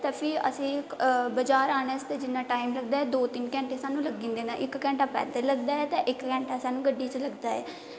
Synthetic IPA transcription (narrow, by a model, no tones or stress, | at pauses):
t̪ẽːpʰɪɾə̰sĩːbəd͡ʒaːɾaːneːst̪ed͡ʒɪnːaːʈaːɪmləɡ̚d̪aːɛːd̪oːt̪ɪnkɛ̃ːɳʈeːsaːnũːləɡĩːnd̪eːnãːʔɪkːɛ̃ːɳʈaːpɛ̰ːd̪eləɡ̚d̪aːɛːt̪ẽːʔɪkkɛ̃ːɳʈaːsaːnũːɡəɖːiːt͡ʃləɡd̪aːɦɛː